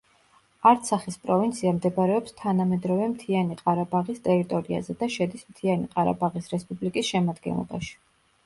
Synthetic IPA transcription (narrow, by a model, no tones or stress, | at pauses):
aɾt̪sʰaχispʼɾɔvint̪sʰiamd̪ɛbaɾɛɔpst̪ʰanamɛd̪ɾɔvɛmt̪ʰianiqʼaɾabaʁist̪ʼɛɾit̪ʼɔɾia̰zɛd̪aʃɛd̪ismt̪ʰianiqʼaɾa̰baʁisɾɛspʼublikʼisʃɛmad̪ɡɛ̰nlˠɔ̰ba̰ʃi̥